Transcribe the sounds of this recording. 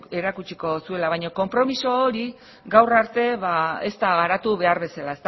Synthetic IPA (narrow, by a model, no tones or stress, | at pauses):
e̞ɾakut͡ʃiko̞sue̞laβajɲo̞ko̞mpɾo̞miso̞ːɾi | ɡawraɾt̪e̞βae̞̰st̪aɣaɾat̪uβe̞aɾβe̞salae̞st̪